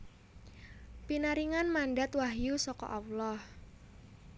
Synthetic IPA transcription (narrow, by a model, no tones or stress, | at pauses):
pinaɾiŋanmanɖat̪waɦjusɔkɔ̰ʔawlɔh